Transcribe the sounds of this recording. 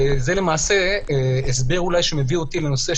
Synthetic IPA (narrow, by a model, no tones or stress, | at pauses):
zele̞maːse̞es̬be̞ʁulajʃemevio̞t̪ileno̞se